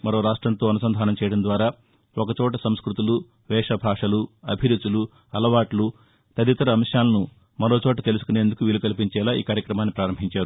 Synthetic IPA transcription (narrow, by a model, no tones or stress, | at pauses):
mɐɾo̞ːɾaːʂʈɾɐnt̪o̞ːɐnusɐnd̪ʱaːnɐmt͡ʃɛːjɐɽɐmnd̪ʋaːɾaː | ɔkɐt͡ʃɔːʈ̬ɐsɐmskɾut̪ulu | ʋɛːʂɐbʱaːʂɐluɐbʱiɾut̪ulu | ɐlɐʋaːʈlu | t̪ɐd̪it̪ɐɾɐːmʃjaːlɐnu | mɐɾo̞ːt͡ʃɔːʈ̬ɐt̪e̞lusu̥kuneːnd̪ukuʋilukɐlipiɲt͡ʃɛːlaːḭːkaːɾjɐkɾɐmaːnːipɾaːɾɐmbʱiɲt͡ʃaːɾu